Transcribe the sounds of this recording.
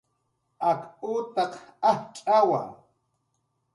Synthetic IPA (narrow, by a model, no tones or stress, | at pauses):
akʊt̪ɑqaht͡ʃʼawa̰ŋ